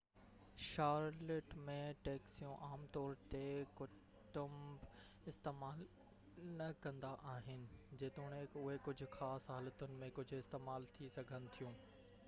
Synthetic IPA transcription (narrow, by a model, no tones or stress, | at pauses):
ʃaːɾleʈmẽʈeːksijũʔaːmt̪ɔːɾt̪ekʊ | ʈʊmb | ɪst̪eːmaːl | nɐkɐ̃nd̪aʔaːɦɪnɪ̆d͡ʑeːt̪uɽ̃eʊɦekʊd͡ʑʱʊ̆xaːsɦaːlət̪ʊnɪ̆mẽkʊd͡ʑʱʊɪst̪eːmaːlt̪ʰisɐɡʱənɪ̆t̪ʰijũː